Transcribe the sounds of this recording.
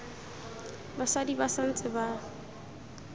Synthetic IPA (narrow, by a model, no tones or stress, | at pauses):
baswadibasan̩t͡sʼɪba